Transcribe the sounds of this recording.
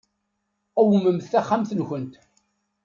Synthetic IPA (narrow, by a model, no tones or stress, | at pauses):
æwəməmθθæχːamθənçənt̪